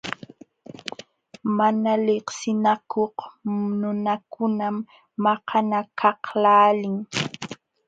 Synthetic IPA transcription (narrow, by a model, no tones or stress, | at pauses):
manalɪqsɪnakʰohnʊnakʊnamː | ɑqanakʰɑhlaːlɪŋ